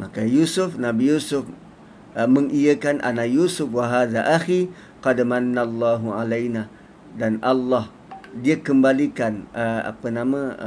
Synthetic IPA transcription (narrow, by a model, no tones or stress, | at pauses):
makajusʊfnabijusʊf | məŋijəkanʔa̰najusʊfwaɦaːðaʔaxi | qɑdmanːalˤːaːɦuʕalajna | danʔalːɑh | diakəmbalikanəa̰pənamã